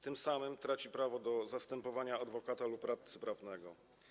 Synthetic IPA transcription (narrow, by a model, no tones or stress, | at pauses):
t̪ɘmsamɘmt̪ɾat͡ɕipɾavɔd̪ɔzast̪ɛmpɔvaɲaːd̪vɔkat̪alupːɾaft̪sɘ̥pɾavnɛɡɔ